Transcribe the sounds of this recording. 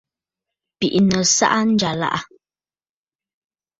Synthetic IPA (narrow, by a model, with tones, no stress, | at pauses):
pi˨ʔnə˨sa̰˦ʔa˦n̩˦d͡ʒa˨la̰˦ʔa˦